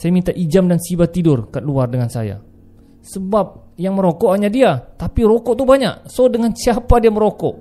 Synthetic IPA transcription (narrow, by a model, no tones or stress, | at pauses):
sajamint̪aʔid͡ʒamdansibat̪ːidʊrkat̪̚luardəŋansa̰ja̰ | səbap̚ | jaŋməɾokɔʔhaɲadiat̪apiɾokɔʔt̪uhbaɲa̰ʔsodəŋansiapadiaməɾokɔʔ